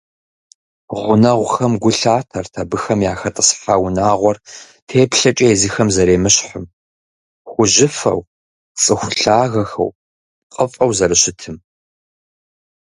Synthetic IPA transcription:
ʁʷʊnɐʁʷʊxɐmɡʷʊɬaːtʰɐrtʰɐbɨxɐmjaːxɐtʼɐsħaːwʊnaːʁʷɔr | tʰeːpɬɐt͡ʃʼɐezixɐmzɐɾeːmɨɕħəm | xʷʊʒɪfɐ̰w | t͡sʼɨxʷʊɬaːɣɐxɐ̰w | qʼəfʼɐwzɐrɨɕɪtʰɨm

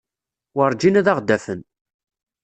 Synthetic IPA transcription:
wəɾˤd͡ʒinæðaʁd̪æfən

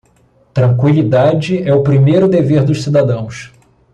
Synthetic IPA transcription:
t̪ɾɐ̃ŋkwilid̪ad͡ʒɪɛʊpɾimejɾʊd̪eveɾd̪ʊʃsid̪ad̪ɐ̃w̃s

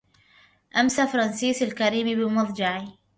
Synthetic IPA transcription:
ʔamsafɑɾˤɑnsiːsalkaɾiːmbɪmɑðˤd͡ʒɑʕi

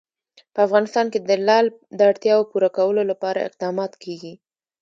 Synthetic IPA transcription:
pəafɣɑnɪst̪ɑnked̪əlɑld̪əaɽt̪jɑopuɾakawəlolapɑɾa̰ɪ̰q̚d̪ɑmɑt̪kʰeɡi

